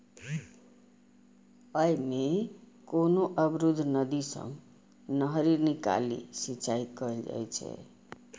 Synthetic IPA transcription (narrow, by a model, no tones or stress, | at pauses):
əjme | konoʔəbɾud̪ʱːnəd̪isə̰m | nəɦɾiɾnika̰lḭsit͡ʃaikəld͡ʒa̰jt͡ʃʰɛ̰